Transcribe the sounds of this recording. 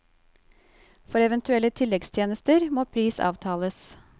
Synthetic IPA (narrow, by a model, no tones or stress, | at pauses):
fɔɾɛʋɛnt̪ʉɛlət̪ʰɪlːɛɡst̪ʰjeːnəst̪əɾmoːpʰɾiːsɑ̰ːʋt̪ʰɑːləs